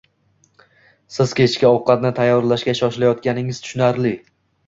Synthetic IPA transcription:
sɪz̥kʲʰe̞t͡ʃʰkʲaɒwqɑt̪nɪt̪ʰajːɒɾlaʃkʲaʃɒʃlajɒt̪̚kʲanɪŋɪzt̪ʰʊ̥ʃʊnaɾlɪ

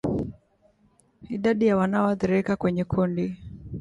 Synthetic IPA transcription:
iɗaɗijawanaɔaðiɾikakwɛɲɛkʰundi

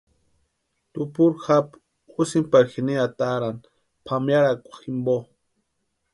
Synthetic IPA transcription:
t̪upuɾxap | usimpaɾxiniat̪aɾan | pʰamjaɾakʷḁximbo

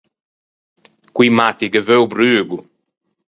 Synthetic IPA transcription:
kwimat̪iɡəvøwbɾyːɡu

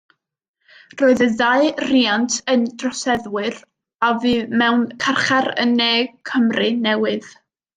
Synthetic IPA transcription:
roːɨðəðaɨriːantʰəndrɔsɛðwɨr | avɨːmɛwnkʰarχaɾə̰nːeːkʰəmrɨnɛwɨð̥

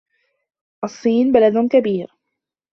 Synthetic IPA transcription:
ʔɑsˤːiːnbalad̪kabiːɾ

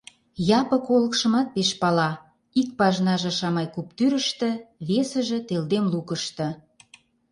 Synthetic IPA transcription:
jɑpə̆kolə̆kʃə̆mɑt̪̚peʃpɑlɑ | ik̚pɑʒnɑʒɤ̆ʃɑmɑjkup̚t̪yɾə̆ʃt̪ə̆βesə̆ʒĕt̪eld̪emlukəʃt̪ə̆

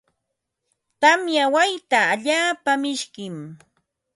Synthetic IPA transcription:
t̪amjawajt̪aːʎaːpamɪʃkɪm

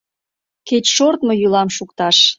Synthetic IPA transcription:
ket͡ɕʃort̪mojylɑmʃukt̪ɑʃ

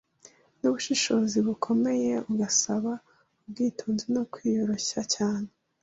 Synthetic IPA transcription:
nuβuʃiʃo̞ːziβukʰo̞me̞je̞uɡasaβa | ub̚ɡiːtʰuːnzino̞kwiːjo̞ɾo̞ɕacaːne

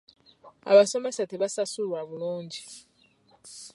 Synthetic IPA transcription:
a̰βaso̞mesateβasasulwaβuluːɲɟi

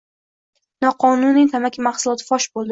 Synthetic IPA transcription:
nɒqʰɒnʊnit̪ʰamakʲʰɪmaχsʊlˠɒt̪ʰɪfɒʃbolˠd̪ɪ

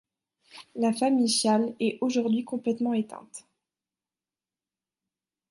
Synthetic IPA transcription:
lafamiʃjalɛʔoʒuʁd̪ɥikɔ̃plɛt̪mɑ̃et̪ɛ̰̃t̪

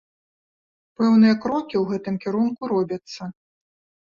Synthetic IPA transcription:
pɛwnɨjɐkɾɔkʲiwɣɛt̪ɨmkʲiɾunkuɾɔbʲɐt̪sːɐ

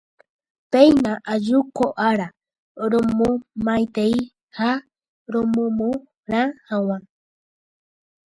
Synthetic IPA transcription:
pejnãʔad͡ʒukoʔaɾa | ɾomũmãjt̪ei | ha | ɾomõmũ | ɾãhawa

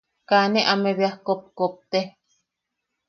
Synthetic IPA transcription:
kaneʔameβjahkop̚kop̚t̪e

